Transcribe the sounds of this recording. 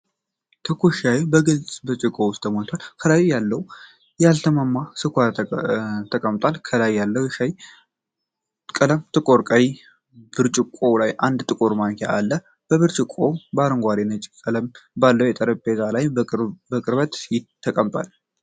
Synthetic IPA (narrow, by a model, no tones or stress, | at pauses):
t̪ʰɨkʰoʃajbəɡɨlt͡sʼbɨɾt͡ʃʼɪkʼowʊst̪ʰːəmot̪ʰalkʰəlajjalːəw | jalt̪ʰəmamːasɨkʷa | t̪ʰːəkʼəmt̪ʼwalkʰəlajːalːəwʃaj | kʼələmt̪ʰʼɨkʼoɾkʼəji | b̥ɨɾt͡ʃʼɪkʼo̞lajand̪t̪ʼɨkʼoɾmaŋkʰeʔalːə | b̥əβɨɾt͡ʃʼɪkʼːobaɾɨŋɡʷaɾenət͡ʃʼɪkʼːələmbalːəwjɛt̪ʼəɾəbezalajbəkʼɨɾbət̪jɪt̪ʰːəkʼəmt̪ʼwa̰l